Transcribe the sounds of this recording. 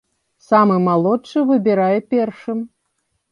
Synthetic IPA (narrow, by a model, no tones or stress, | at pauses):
samɨmalˠɔtt͡ʂɨvɨbʲɛɾajɛpʲɛrʂɨm